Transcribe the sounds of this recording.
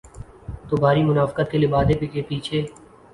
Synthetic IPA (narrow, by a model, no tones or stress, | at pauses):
t̪obʱaːɾimʊnaːfkət̪̚kelɪbaːd̪epɪkeːpiːt͡ʃʰeː